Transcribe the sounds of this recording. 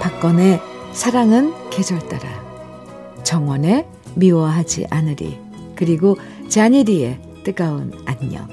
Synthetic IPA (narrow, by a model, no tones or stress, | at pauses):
pak͈ʌne̞sʰaɾaŋɯnke̞sʰʌɭt͈aɾa̰ | t͡ɕʌŋwʌne̞ | miwʌɦad͡ʑḭʔanɯɾḭ | kɯɾiɡo | t͡ɕeaɲiɾie̞ | t͈ɯɡaɯnaɲʌ̰